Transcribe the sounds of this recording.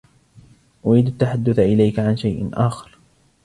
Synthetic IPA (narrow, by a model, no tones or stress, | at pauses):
ʔʊɾiːd̪at̪ːaħad̪ːʊθaʔɪlajkaʕanʃajʔɪnʔaːxɑ̥ɾ